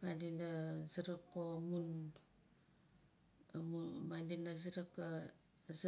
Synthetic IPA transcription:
malinaziɾakːomun | amumalinaziɾakːa | z

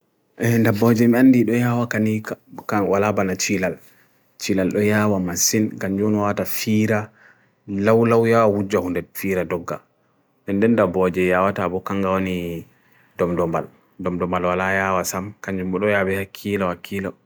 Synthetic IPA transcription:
ʔɛndabɔd͡ʒɛmianːdiɗɔjawakanikkawalabanat͡ʃilal | t͡ʃilalɗɔjawamasinɡaɲd͡ʒɔnwawatafiɾa | lawlawjawawud͡ʒːahundɛfiɾadɔɡːa̰ | ɗɛndɛndabɔd͡ʒɛjawatabɔkaŋɡawani | dɔmdɔmba̰l | dɔmdɔmbalwalajawasamkaɲd͡ʒumbɔɗɔjabɛhakʰːilɔhakʰːilɔ

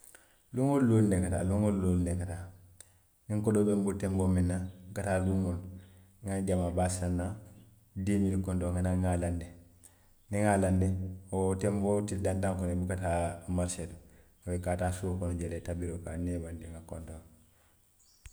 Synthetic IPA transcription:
luŋolːolndeŋkata̰ːluŋollolndeŋkata | niŋkodobembultembominːakataluŋol | ŋaɟamabasanːa | demilikontoŋɡanaŋalande | niŋalandeotembotidandaŋkonebukatamaɾsedo | ŋabekatasuokonuɟeletabiɾoka̰nebandiŋakontoŋ

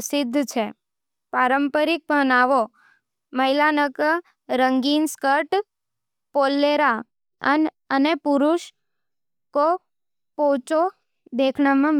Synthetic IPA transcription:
sɪd̪ʱːt͡ʃʰe | paɾəmpəɾik̚bənaʋo | məjlanək | ɾəŋɡinskəʈ | polːeɾa | ən | ənepuɾuʃ | ko | pot͡ʃo | d̪ekʰɳamãm

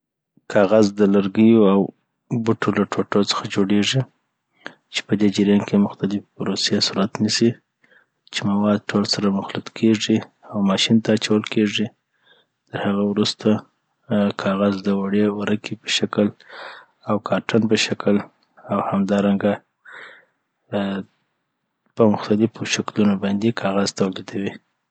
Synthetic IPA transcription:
kʰɑɣazd̪əlaɾɡəjoaw | buʈolaʈʰoʈot͡sə̥xad͡ʒoɽeʐi | t͡ʃe̥pəd̪ed͡ʒɪɾjɑnkemʊxt̪alɪfpɾosesuɾat̪nisi | t͡ʃemawɑd̪̚ʈʰolsaɾamʊxlʊt̪kʰeʐiawmɑʃint̪aːt͡ʃawəlkeʐi | t̪əɾhaɣawɾust̪a | kʰɑɣazd̪əwaɽewaɾakipə̥ʃakl | awkʰɑɾʈanpəʃakəl | awhamd̪ɑɾaŋɡa | pəmʊxt̪alɪfoʃaklunobɑnd̪ekʰɑɣazt̪awled̪awi

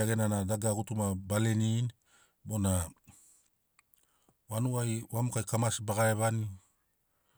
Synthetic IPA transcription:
aɡe̞nanadaɡaɡutumabale̞nin | bo̞na | wanuajwamukajkamasbaɡaeβani

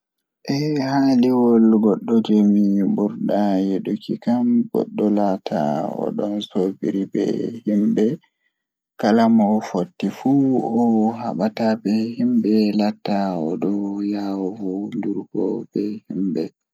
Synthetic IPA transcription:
ʔɛhaliwɔlɡɔɗːɔd͡ʒemibuɾɗajɛɗukʰikamɡɔ̰ɗːɔlatʰa̰ɔ̰ɗɔnsobiɾibɛ̰himbɛ | kalamɔfotːifuɔɦa̰ɓatabɛhimbɛlatːaɔɗɔjawɔvunduɾɡɔ̰bɛhimbɛ

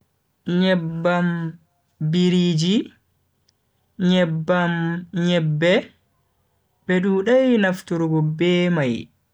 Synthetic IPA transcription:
ɲɛbːam | biɾiːd͡ʒi | ɲɛbːamɲɛbːɛ | bɛɗuːɗajnaftuɾuɡɔbɛːmaj

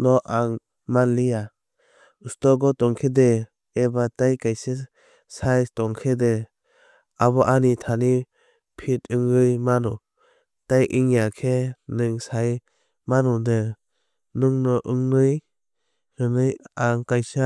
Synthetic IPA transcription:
nɔʔaŋ | manlija | ustɔɡɔtɔŋkʰedeː | batajkajsɯ | sajtɔŋkʰede | aβɔʔanitʰani | pʰitɯŋɾɯjmanɔ | tajʔiŋjakʰenɯŋsaj | manɔde | nɯŋnɔʔɯŋnɯj | ɾɯnɯjaŋkajsa

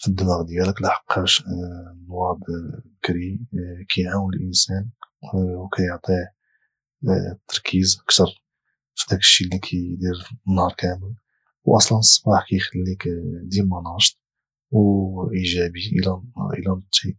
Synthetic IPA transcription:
fid̪ːəmɑɣd̪jæləklaħə̥qːæʃnwɑɾd̪bəkɾikʰæjʕawənəlʔənsæn | wkʰæjoʕt̪ˤi | t̪ːɑɾˤkʰizʔəkt̪ɑɾˤ | fid̪ækə̥ʃːilːikʰæd̪iɾnːhɑɾˤkʰæməl | wʔɑsˤlənəsˤːɑ̥bɑħkæjxəlːikd̪ilmɑnɑʃt̪̚ˤ | wʔiʒæbiʔəlæʔə̰lænt̪ˤːi

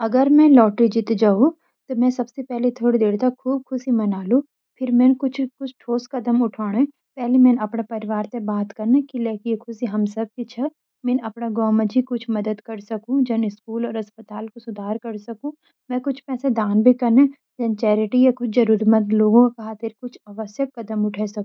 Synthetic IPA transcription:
ɐɡəɾmɛ̃lɔːʈɾid͡ʒɪt̪d͡ʒaũ | t̪omɛ̃sɐbsepɛɦlet̪ʰoːɽid̪eːɾt̪ɐkkʰuːb̚kʰʊsimɐnaːlũ | pʰɪɾmɛ̃ːnkʊt͡ʃʰkʊt͡ʃʰʈʰoːskɐd̪əmʊʈʰaːɽ̃e | pɛɦlemɛ̃ːnɐpnapɐɾɪʋaːɾt̪ebaːt̪kɐɾnekileːkiekʰʊsiɦɐmsɐb̚kit͡ʃʰɐ | mɛ̃ːnɐpnaɡɔ̃ːməd͡ʒikʊt͡ʃʰmɐd̪əd̪kɐɾsɐkũd͡ʒɐnɪskuːlɔːɾɐspət̪aːlkosʊd̪ʱaːɾkɐɾsɐkũ | mɛ̃ːkʊt͡ʃʰpɛːsed̪aːnbʱikɐɾne | d͡ʒɐnt͡ʃɛːɾɪʈijakʊt͡ʃʰd͡ʒɐɾuːɾmət̪loːɡõkkɦat̪ʰɪɾkʊt͡ʃʰɐʋəsjək̚kɐd̪əmʊʈʰɛsɐkũ

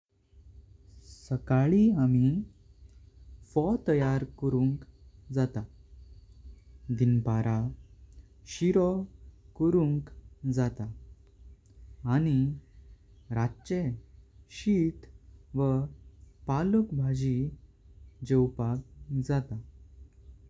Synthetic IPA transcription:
səkaɭiami | fɔt̪əjaɾkəɾuŋkd͡zat̪a | d̪inpaɾa | ɕiɾɔkəɾuŋkd͡zat̪a | ni | ɾatːɕeɕit̪ʋə | paləkbʱad͡ʑi | d͡ʑewpak̚d͡zat̪a

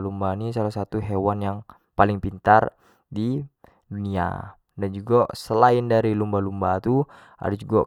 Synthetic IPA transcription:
lumbanis̬alahsat̪uɦewanjaŋ | palɪŋpint̪ar | di | dunia̰ | dand͡ʒuɡasəlaɪndaɾilumbalumbat̪u | a̰dad͡ʒuɡa

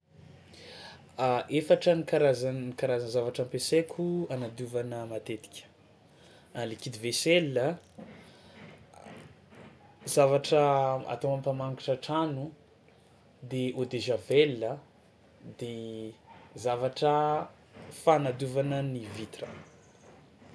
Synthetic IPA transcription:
ʔefaʈ͡ʂənikaɾazaikaɾazanzavaʈ͡ʂampesekʲʰuanad̪uvanəmat̪et̪i̥kʲə̥ | alikid̪iveselə | zavaʈ͡ʂəa̰t̪owampamaŋkiʈ͡ʂəʈ͡ʂanu | d̪eʔod̪eʒavelːə | d̪e | zavaʈ͡ʂə | faːnad̪uvanənivit̪rə

